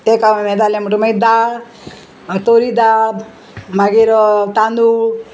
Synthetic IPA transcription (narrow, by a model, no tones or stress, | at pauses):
t̪ekamamed̪alemuʈumed̪al | t̪oɾid̪al | maɡeɾɔt̪and̪u